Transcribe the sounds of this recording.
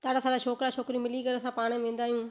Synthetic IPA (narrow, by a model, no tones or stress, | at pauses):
t̪aːɽasãːlaːt͡ʃʰoːkɾaːt͡ʃʰoːkɾiːmɪliɡəɾəsãːpaːɽ̃mẽːnd̪aːijũː